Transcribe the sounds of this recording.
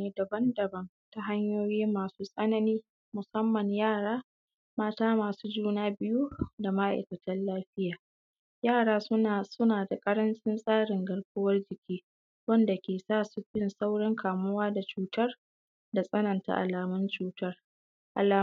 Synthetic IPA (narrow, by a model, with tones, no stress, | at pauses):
eː˦dɐ˨bɐ˦ndɐ˨bɐ˦n | ta˨ɦa˦ɲjoː˦jiː˦maː˨suː˦sʼɐ˦nɐ˦niː˦ | mʊ˨sɐ˦mːɐ˨ɲjaː˦˨ɽaː˦ | maː˦taː˦maː˨suː˦d͡ʒuː˦naː˦bɪ˦ju˦da˨ma˦ʔa̰˨jkɐ˨tɐ˦nlaː˦ɸɪ˦jaː˨ | jaː˦˨ɽaː˦sʊ˦a˨sʊ˦naː˨da˨kʼɐ˦ɾɐ˦nt͡ʃʼɪ˦nsʼaː˦ɽɪ˨ŋɡɐ˨ɽkʊ˦wɐ˦rd͡ʒɪ˨kʲiː˦ | wɐ˦nda˨kʲeː˨saː˦˨su˨ɸɪ˦nsa˦wɽɪ˦ŋkʰaː˨mʊ˦waː˦da˨t͡ʃuː˦tɐ˦r | da˨sʼɐ˦nɐ˨nta̰˨ʔa̰˨laː˨mʊ˦nt͡ʃuː˦tɐ˦r | ʔa̰˨laː˨